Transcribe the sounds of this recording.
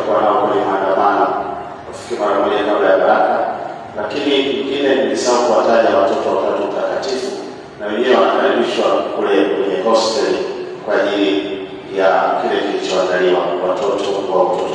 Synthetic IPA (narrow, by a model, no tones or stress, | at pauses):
kuanaɔkwɛɲɛmandamana | kufi̥kimaɾamɛɲakablajaɾaka | lakinikiŋɡinɛkilisakuwataʄawatɔtɔwatatum̩takatifu | nawɛɲɛɛwanakaɾiɓiʃwakulɛkwɛɲɛpɔstɛl | kwaːʄili | jakilɛkiilit͡ʃɔwaŋɡaliwawatɔtɔwawatɔtɔ̥